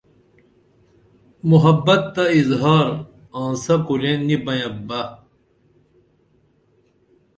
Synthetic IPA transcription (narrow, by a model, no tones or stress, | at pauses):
muɦɐbːɐt̪ːɐizɦaːɾ | ãːsɐpuɾẽnːibɐjɐ̃bɐ